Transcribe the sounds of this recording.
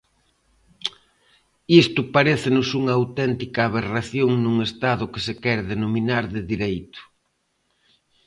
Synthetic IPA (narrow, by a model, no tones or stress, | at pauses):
ist̪ʊpaɾeθɪnʊsuŋɐaːwt̪ɛnt̪ikaːβeraθjoŋnuŋest̪aðʊkɪsekɛɾðenominaɾðɪðiɾejt̪ʊ̥